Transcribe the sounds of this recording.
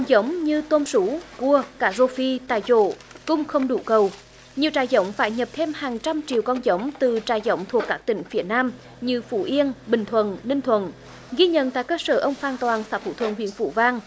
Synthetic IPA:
kɔ˧nzə˨˦wŋ͡mɲɨ˧t̪o˧msu˨˦ku˧əkaː˧˩zo˧fi˧t̪a̰ː˧˨jzo̰˧˨ | kʊ̰˧ŋ͡mxə˧wŋ͡mɗu˧˩kə˨˩w | ɲi˨˩əwt͡ɕaː˧˩jzə˨˦wŋ͡mfaː˧˩jɲə˨˩p̚t̪ʰe˧mhaː˨˩ŋt͡ɕa˧mt͡ɕḭ˨əwkɔ˧nzə˨˦wŋ͡mt̪ɨ˨˩t͡ɕaː˧˨˩jzə˨˦wŋ͡mt̪ʰu˨˩əkːaː˦˥k̚t̪ï˧˩ŋ̟fi˧˩ənaː˧m | ɲɨ˧fṵ˧˩ʔi˧ənɓï˨˩ŋ̟t̪ʰwə̰˧˨nnï˧ŋ̟t̪ʰwə̰˧˨n | ɣi˧ɲə̰˧˨nt̪a̰ː˧˨jkəː˧səː˧˩ʔə˧wŋ͡mfaː˧˩nt̪waː˨˩nsaː˨˦˥t̪ʰṵ˧˩t̪ʰwə̰˧˩nhwḭ˧˩ənfṵ˧˩˦vaː˧ŋ

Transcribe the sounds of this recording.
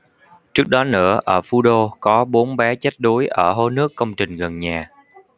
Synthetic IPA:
t͡ɕɨ˦˥k̚ɗɔ˨˦nɨ̰˧˩əʔəː˧˩fu˧ɗo˧kɔ˨˦ɓo˨˦nɓɛ˨˦t͡ɕə˦˥t̚ɗu˨˦jʔəː˧˩ɦo˧˦nɨ˦˥əkːə˧wŋ͡mt͡ɕï˨˩ŋ̟ɣə˨˩nɲaː˨˩

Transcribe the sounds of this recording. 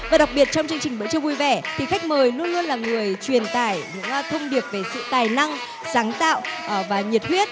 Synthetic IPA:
vaː˨˩ɗa˨˩wk͡p̚ɓi˨˩ət̚t͡ɕɔ˧wŋ͡mt͡ɕɨ˧əŋt͡ɕï˨˩ŋ̟ɓə̰ː˧˥t͡ɕɨ˧vu˧jvɛ˧˩t̪ʰi˨˩xa˦˥k̚məː˨˩jlu˧ənlu˧ənlaː˨˩ŋɨ˨˩əjt͡ɕwi˨˩ənt̪aː˧˩jɲɨ̰˧˥ŋ˧t̪ʰə˧wŋ͡mɗi˨˩əp̚ve˨˩sɨ̰˧˨t̪aː˨˩jna˧ŋ | saː˨˦ŋt̪a̰ː˧˨wvaː˨˩ɲi˨˩ət̚hwi˦˥ət̚

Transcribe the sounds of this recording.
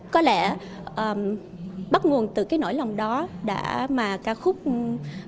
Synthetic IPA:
kɔ˨˦lɛ˧˩ | ʔəː˨˩m | ɓa˦˥t̚ŋu˨˩ənt̪ɨ˨˩kaː˨˦jno̰˧˥˨jlɔ˨˩wŋ͡mɗɔ˨˦ɗa̰ː˧˥maː˨˩kaː˧˩xʊ˦˥k͡p̚

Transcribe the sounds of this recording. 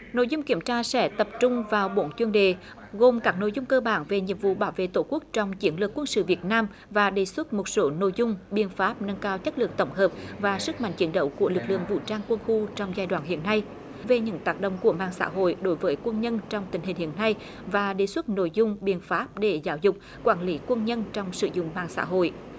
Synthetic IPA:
no̰˧˨jzʊ˧ŋ͡mki˧˩əmt͡ɕaː˧sɛ̰˧˥t̪ə˨˩p̚t͡ɕʊ˧ŋ͡mvaː˨˩wɓo˧˦nt͡ɕwi˧ənɗḛ˨ | ɣo˨˩mkaː˦˥k̚no̰˧˨jzʊ˧ŋ͡mkəː˧ɓaː˧˩nve˨˩ɲḭ˧˨əmvṵ˧˨ɓaː˧˩wvḛ˧˨t̪o˧˩ku˦˥ək̚t͡ɕɔ˧wŋ͡mt͡ɕi˨˦ənlɨ˨˩əkːwə˧nsɨ̰˧˨vi˨˩ət̚naː˧m | vaː˨˩ɗe˧˩swə˦˥t̚mo˨˩t̚so˨˦no̰˧˨jzʊ˧ŋ͡mɓi˧˩ənfaː˦˥p̚nə˧nkaː˧wt͡ɕə˦˥lɨ̰˨˩ək̚t̪ə˧˩wŋ͡mɦəː˨˩p̚vaː˨˩sɨ˦˥k̚ma̰˧˨ŋt͡ɕi˨˦nɗə̰˧˦wku˧˩əlɨ˨˩k̚lɨ̰˧˨əŋvṵ˧˨t͡ɕaː˧ŋkwə˧nxu˧t͡ɕɔ˧wŋ͡mzaː˧jɗwaː˧˨nɦḭ˧˨ənːa˧j | ve˨˩ɲɨ̰˧˥ŋt̪aː˦˥k̚ɗə̰˧˨ŋ͡mku˧˩əmaː˧˩ŋsa̰ː˧˥ɦo̰˧˨jɗo˨˦jvəː˨˦jkwə˧nɲə˧nt͡ɕɔ˧wŋ͡mt̪ï˧˩ŋ̟ɦï˨˩ŋ̟hḭ˧˨ənːa˧j | vaː˨˩ɗe˨˧˩swə˦˥t̚no̰˧˨jzʊ˧ŋ͡mɓi˧˩ənfaː˦˥p̚ɗe˧˩zaː˨˦wzʊ˨˩k͡p̚ | kwaː˧˩nli˨˦kwə˧nɲə˧nt͡ɕɔ˧wŋ͡msɨ̰˧˨zʊ̰˧˨ŋ͡mmaː˧˨˩ŋsa̰ː˧˥ɦo̰˧˨j

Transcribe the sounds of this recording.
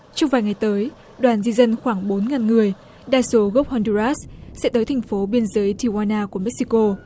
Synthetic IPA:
t͡ɕɔ˧ŋ͡mvaː˨˩jŋa˨˩jt̪əː˨˦j | ɗwaː˨˩nzi˧zə˧nxwaː˧˩ŋɓo˨˦nŋaː˨˩nŋɨ˨˩əj | ɗaː˧jso˨˦ɣo˦˥p̚hɔ˧ndu˧za˦˥ssɛ̰˧˥t̪əː˨˦jt̪ʰa˨˩jŋ̟fo˨˦ɓi˧ənzəː˨˦jt̪ʰi˧˩waː˧naː˧ku˧˩əmɛ˦˥k̚si˧ko˧

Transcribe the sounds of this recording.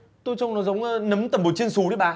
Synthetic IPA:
t̪o˧jt͡ɕa˧wŋ͡mnɔ˨˦zə˨˦wŋ͡mnə˨˦mt̪ə˨˩mɓo˨˩t͡ɕi˧ənsu˨˦ɗi˨˦ɓaː˨˩

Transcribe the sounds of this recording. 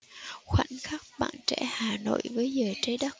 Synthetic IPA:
xwa̰˧˨nxa˦˥k̚ɓa̰ː˧˨nt͡ɕɛ̰˧˥haː˨˩no̰˧˨jvəː˨˦jzəː˨˩jt͡ɕə˧˦jɗə˦˥t̚

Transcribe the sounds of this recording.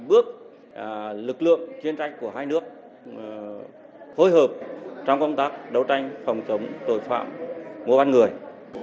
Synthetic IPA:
ɓɨ˦˥ək̚ | lɨ˨˩k̚lɨ̰˧˨əŋt͡ɕi˧ənt͡ɕa˧jŋ̟ku˧˩əɦaː˧jnɨ˦˥ək̚ | fo˧jɦəː˨˩p̚t͡ɕɔ˧wŋ͡mkə˧wŋ͡mt̪aː˦˥k̚ɗə˨˦wt͡ɕa˧jŋ̟fɔ˨˩wŋ͡mt͡ɕə˨˦wŋ͡mt̪o̰˧˩jfa̰ː˧˨mːo̰˧˩va˧nŋɨ˨˩əj

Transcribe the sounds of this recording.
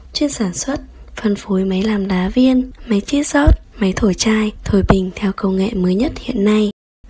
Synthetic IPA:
t͡ɕwe˧nsaː˧˩nswə˦˥t̚fə˨˩nfo˨˦jmə˨˦jlaː˨˩mɗaː˨˦vi˧ənmə˨˦jt͡ɕi˦˥zɔ˦˥t̚mə˨˦jt̪ʰo˧˩jt͡ɕaː˧jt̪ʰo˧˩jɓï˨˩ŋ̟t̪ʰɛ˧wkə˧wŋḛ˧˨məː˨˦jɲə˦˥t̚hḭ˧˨ənːa˧j

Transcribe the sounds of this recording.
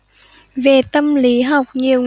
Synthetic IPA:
ve˨˩t̪ə˧mli˨˦ɦa˨˩wk͡p̚ɲi˨˩əw

